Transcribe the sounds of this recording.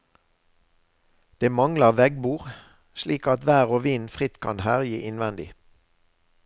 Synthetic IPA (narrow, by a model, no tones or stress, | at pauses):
d̪̥eːmɑŋləʁʋɛɡbuːʁ | ʃliːkɑt̪ʋæːʁoːʋiːnfʁɪt̪kʰɑ̰nhæːʁjiːʔɪnʋɛnd̪ɪ̰